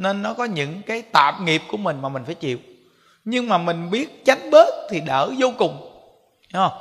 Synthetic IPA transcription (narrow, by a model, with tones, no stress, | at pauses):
ne˧nːɔ˨˦kɔ˨˦ɲɨ̰˧˥ŋkaː˨˦jt̪a̰ː˧˨mŋi˨˩p̚ku˧˩əmï˨˩ŋ̟maː˨˩mï˨˩ŋ̟faː˧˩jt͡ɕḭ˧˨əw | ɲɨ˧ŋmaː˨˩mï˨˩ŋ̟ɓi˦˥ət̚t͡ɕa˨˦jŋ̟ɓe˦˥t̚t̪ʰi˨˩ɗəː˧˩zo˧kʊ˨˩ŋ͡m | ɔ˧˩